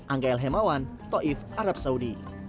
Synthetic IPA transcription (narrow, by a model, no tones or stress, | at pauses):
ʔaŋkaɛlɦɛmawan | t̪ɔʔifʔaɾap̚saudi